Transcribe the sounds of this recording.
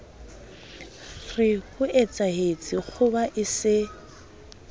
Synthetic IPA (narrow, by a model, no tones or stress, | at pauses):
rɪhʊʔet͡sʼaɦet͡sʼɪk͡xʰʊbaʔɪsɪ